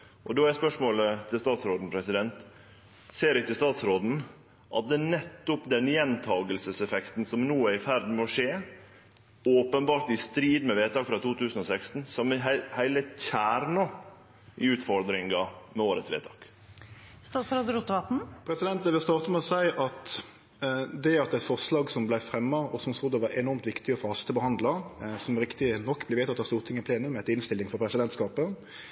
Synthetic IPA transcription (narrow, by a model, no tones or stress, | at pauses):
ʔɔd̪oæɾspœʂmoːlət̪ʰɪlst̪ɑːt̪sɾoːd̪n̩pʰɾɛsɪd̪ɛnt̪ | seːɾɪt̪ʰɪlst̪ɑːt̪sɾoːd̪n̩ | ʔɑ̰t̪̚d̪ɛnɛt̪ːʊpd̪ɛnjɛnt̪ʰɑːɡəlsəsɛfɛkt̪n̩sɔmnuːæɾɪfæɾd̪n̩moʂeː | oːpənbɑːɾʈ̪ɪst̪ɾiːd̪mɛʋeːt̪ɑːkfɾɑt̪uːt̪ʰʉːsən̩ɔsɛkst̪n̩sɔmːɛɦhæɪləçæːɾɳɑ | ɪʉːt̪fɔɾd̪ɾɪŋɡɑmɛoːɾət̪sʋḛːt̪ʰɑːk | st̪ɑːsɾɑd̪ɾʊt̪ːɑːt̪n̩pʰɾɛsɪd̪ɛnt̪d̪ɛʋɪlst̪ɑːʁt̪əmɛɔsæɪʔɑt̪ | d̪ɛɑt̪ɛt̪fɔʁslɑːɡsɔmblæɪfɾɛmːəɔsɔmslʊd̪ːəʋɑɾʔɛnɔʁmt̪ʋɪkt̪ɪəfɔhɑst̪əbəhɑnd̪ləsɔmɾɪkt̪ɪənɔkːblɪʋeːt̪ʰɑt̪hɑst̪uːʁt̪ʰɪŋːɪpʰleːnʉmɛt̪ɪnst̪ɪlːɪŋfɔʁpʰɾɛsɪd̪ɛnt̪skɑːpə